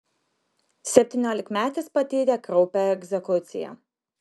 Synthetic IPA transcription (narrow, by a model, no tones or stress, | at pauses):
sʲɛpʲt̪ʲiːnʲoːlʲɪkmʲæːt̪ʲɪspɐt̪ʲɛːd̪ʲeːkɾɔʊpʲɛɛɡzʲɛkʊt̪sʲɪ̰jɛ̰